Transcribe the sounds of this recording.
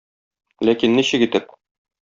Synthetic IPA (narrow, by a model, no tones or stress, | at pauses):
lækinːiɕɘ̆kit̪ɘp̚